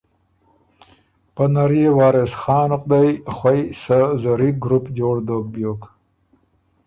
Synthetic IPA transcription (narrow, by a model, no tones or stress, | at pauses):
pənaɾjewɑːɾesχɑːnʊqd̪ajxwajsəzaɾiɡɾupd͡ʒoːɽd̪oːk̚bjoːk